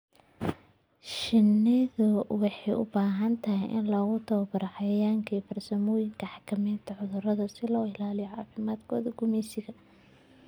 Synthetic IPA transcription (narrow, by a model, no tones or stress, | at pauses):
ʃɪnːɪðʊwɑħɑjʔʊ̰baːɦɐnt̪ʰɐhɪjʔɪ̰nlɔːɣʊt̪ʰɐwbɐɾɐħɑjaːŋkʰiːfɐrsɐmɔːjɪŋkʰɐħɑ̥kʰɐmɛjnt̪ʰɐʕʊðʊɾɐðɐsɪlɔːɪlaːlɪjɔʕɑːfɪmaːd̪kʰɔːðɐɡʊmɛjsɪɣɐ